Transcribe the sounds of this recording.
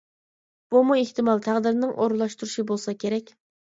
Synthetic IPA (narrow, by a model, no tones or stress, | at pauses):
b̥umueht̪ɨmɑlˠt̪ʰæʁd̪ɪɾnɪŋʔoɾlˠɑʃt̪uɾuʃibolˠsɑkʲʰeɾɛkʲ